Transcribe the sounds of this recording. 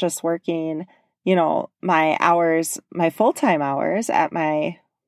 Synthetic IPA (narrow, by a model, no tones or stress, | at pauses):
ʒʌst̚wɜ˞kɪ̃ŋ | jɨñoʊmaɪʔa̰ʊə˞z̥maɪfʊlˠtʰãɪ̃maʊə̰˞zɨ̰t̚maɪ